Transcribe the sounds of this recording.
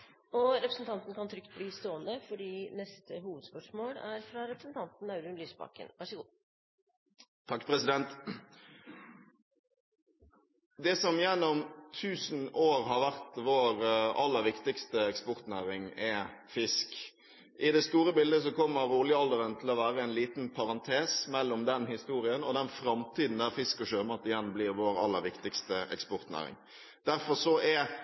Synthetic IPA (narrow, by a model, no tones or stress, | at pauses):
ɔɾɛpɾəsn̩t̪ʰɑnt̪n̩kʰɑnt̪ʰɾʏkt̪̚bliːst̪oːənd̪əfɔɖiːnɛst̪ʰəɦuːʋəd̪spœʂmoːɽæɾfɾɑɾɛpɾəsn̩t̪ʰɑnt̪n̩ɑʉɾʉnlyːsbɑ̰ːkə̰nʋɑʂəɡuː | t̪ʰɑkːpʰʁɛsɪd̪ɛnt̪ | d̪ɛsɔmjɛnːɔmt̪ʰʉːsn̩oːʁɦɑʋæʁt̪ʋoːɾɑlːəɾʋɪkt̪ɪkst̪əɛkspɔɾt̪næːɾɪŋɛfɪsk | ʔɪd̪ɛst̪uːɾəbɪld̪əsɔkʰɔmːəɾuːlɪəɑld̪əɾənt̪ʰɪlɔʋæːɾəɛnliːt̪npʰɑʁɑnt̪ʰeːsmɛlːɔmd̪ɛnhɪst̪uːɾɪənɔd̪ɛnfɾɑmt̪ʰiːd̪n̩d̪æʁfɪskɔʃøːmɑt̪ɪjɛnːbliːɾʋoːɾɑ̰lːəɾʋɪkt̪ɪkst̪əɛ̰kspɔɾt̪næ̰ːʁɪ̰ŋ | d̪̥æɾfɔʁsɔʔɛ